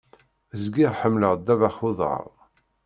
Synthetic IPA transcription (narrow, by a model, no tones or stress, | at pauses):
zɡiʁħəmːləʁd̪ːævæχʊðˤə̰ʁˤ